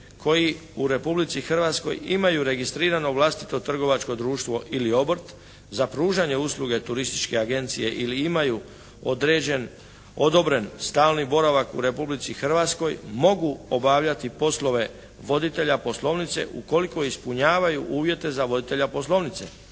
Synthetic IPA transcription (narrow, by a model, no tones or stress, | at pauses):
kʰo̞ji | uɾe̞publit̪sixr̩ʋat̪sko̰jimajuɾe̞ɡist̪ɾiːɾano̞ʋlˠast̪i̥t̪o̞t̪r̩ɡo̞ʋat͡ʃko̞d̪ɾuːʃt̪ʋo̞ʔilio̞brt̪ | zapɾuːʒaɲe̞uslˠuɡe̞t̪uɾist̪i̥t͡ʃke̞aɡe̞nt̪sije̞ʔiliimaju | o̞d̪ɾe̞ːd͡ʑe̞n | o̞d̪o̞bɾe̞nst̪aːlˠnibo̞ɾaʋakṵɾe̞publit̪sixr̩ʋat̪sko̞jmo̞ɡuobaʋʎat̪ipo̞slˠo̞ʋe̞ | ʋo̞d̪it̪e̞ʎapo̞slˠo̞ʋnit̪se̞̰ʔuko̞liko̞ispuɲaːʋajuʔuːʋje̞t̪e̞zaʋo̞d̪it̪e̞ʎapo̞slˠo̞ʋnit̪se̞̰